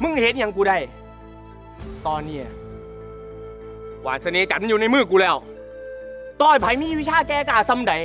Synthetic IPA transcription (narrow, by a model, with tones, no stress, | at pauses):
mɯ˧˩˨he˨˦t̪̚ɲa˨˧˦ŋkuː˧da˧˩j | t̪ɔː˧nːi˧˩ɐ | waː˨˩nsa˧neː˧˦t͡ɕa˨˩ma˧˥˨juː˨˧na˧jmɯː˥˩kuː˧lɛː˧˥˩w | t̪ɔː˧˩jpʰa˨˦jmiː˧˥˨wi˦˥t͡ɕʰaː˧˥˨kɛː˧kaː˨˩sa˧˨mda˨˦j